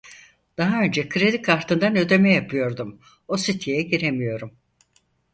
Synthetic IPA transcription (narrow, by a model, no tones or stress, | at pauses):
d̪̥aɦaø̞nd͡ʒɛkʰɯɾe̞d̪ikʰaɾt̪ʰɯnd̪anø̞d̪e̞mɛjapʰɯjo̞ɾd̪um | osit̪ʰijɛɟiɾemijo̞ɾum